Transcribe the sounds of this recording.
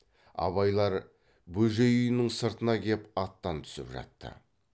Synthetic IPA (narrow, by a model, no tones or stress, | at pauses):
ɑ̰βɑjlˠɑɾ | bɵʒejʏjɪnɪŋsəɾt̪ənɑkʲʰe̞pɑt̪ːɑnt̪ʰʏ̥sɪ̰pʒɑ̰t̪ːə̰